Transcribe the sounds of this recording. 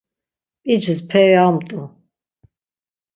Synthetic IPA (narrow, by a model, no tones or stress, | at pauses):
pʼid͡ʒzpʰɛɾiamt̪ʼu